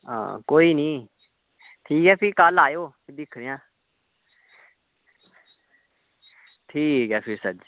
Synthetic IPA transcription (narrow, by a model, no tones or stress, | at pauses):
ã̰ːkoːiːnĩː | t̪ʰiːkɛːpʰɪɾkalaːjoːted̪ɪkʰɾejãː | t̪ʰiːkɛːpʰɪɾsə